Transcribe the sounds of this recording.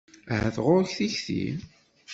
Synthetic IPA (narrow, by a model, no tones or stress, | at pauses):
həθʁʊɾçθiçθḭ